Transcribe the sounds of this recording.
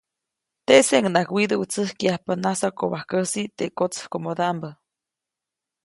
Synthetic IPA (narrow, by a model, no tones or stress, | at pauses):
t̪eseŋnakwid̪əwut͡səhkiahpanasokoβahkəsit̪ekot͡shkomod̪ambə